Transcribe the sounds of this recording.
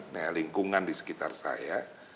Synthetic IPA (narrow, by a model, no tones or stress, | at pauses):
najaliŋkuŋandisə̥kit̪a̰rsa̰ja